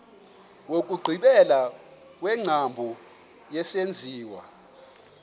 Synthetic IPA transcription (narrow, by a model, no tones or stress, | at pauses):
wokʼuɡ͡ǃʱiɓɛla | k̬ʼwɛŋ͡ǀʱambʱu | jɛsend͡zʱiːwa̰